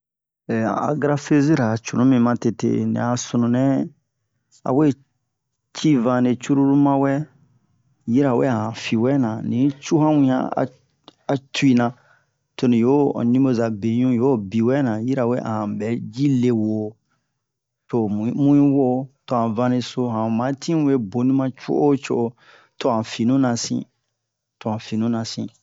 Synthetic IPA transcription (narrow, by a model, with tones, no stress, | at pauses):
a̰˨ɡɾa˦fe˦zi˦ɾa˨t͡ʃu˨nũ˦mĩ˨mã˦te˨tḛ˨nḭ˨a˨su˨nũ˨nɛ̃˦ | a̰˨we˦ | t͡ʃi˦vã˨ne˨t͡ʃu˦ɾu˦ɾu˦mã˦wɛ˦ | ji˦ɾa˨we˦a˨ã˨fi˨wɛ˦nã˨nĩ˨t͡ʃu˦ɦã˦wũ˦jã̰˦a̰˨ | a˨tu˦i˦nã˨ | to˨nĩ˨jo˦˨nĩ˦mo˦za˨be˨ɲũ˦jo˦bi˨wɛ˦nã˨ji˦ɾa˨we˦ʔã̰˨hã˨bɛ˨˦d͡ʒi˦le˨wo˨ | to˨mũ˦ĩ˦wo˦to˨hã˨vã˧nẽ˦˧so˦ɦã˨mã˨˦tʰĩ˦ũ˦e˦bo˨nĩ˦mã˦t͡ʃo̰˦ʔo˦t͡ʃo˦ʔo˦ | to˨ã˨fi˨nũ˦nã˨sḭ̃˦ | to˨ã˨fi˨nũ˦nã˨sḭ̃˨